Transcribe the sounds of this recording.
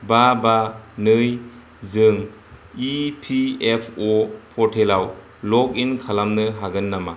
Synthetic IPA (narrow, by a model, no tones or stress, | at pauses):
babanɯj | zɯŋ | ipʰiepʰɔpʰɔɾtʰelaw | lɔk̚inkʰalamnɯɦaɡɯnːama̰